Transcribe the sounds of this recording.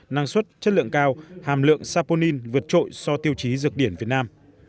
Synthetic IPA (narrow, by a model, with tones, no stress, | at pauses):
na˧ŋswə˦˥t̚t͡ɕə˦˥t̚lɨ̰˧˨əŋkaː˧whaː˨˩mlɨ̰˧˨əŋsaː˧po˧ni˧nvɨ˨˩ət̚t͡ɕo̰˧˨jsɔ˧t̪i˧əwt͡ɕi˨˦zɨ˨˩ək̚ɗi˧˩ənvi˨˩ət̚naː˧m